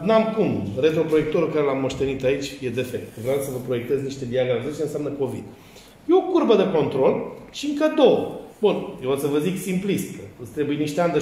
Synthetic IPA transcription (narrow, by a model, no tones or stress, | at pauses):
namkumɾet̪ɾopɾo̞je̞k̚t̪oɾukaɾelamːo̞ʃt̪e̞nit̪ait͡ʃʲje̞d̪e̞fek̚t̪vɾeawsəvəpɾo̞je̞k̚t̪ezniʃt̪e̞d̪iaɡɾavizet͡ʃenseamnəko̞vḭd̪ | jeokuɾbəd̪eko̞nt̪ɾo̞lʃiɨŋkəd̪o̞wəbunjeot̪səvəziksimplist̪əɨst̪ɾe̞bujeniʃt̪eand̪e